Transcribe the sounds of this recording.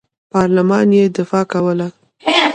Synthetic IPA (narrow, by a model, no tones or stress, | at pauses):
pɑɾlamɑnjed̪ɪfɑkawəla